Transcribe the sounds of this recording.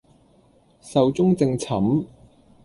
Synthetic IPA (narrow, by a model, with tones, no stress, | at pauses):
sɐ˨wt͡sʊ˥ŋt͡sɪ˧ŋt͡sʰɐ˨˥m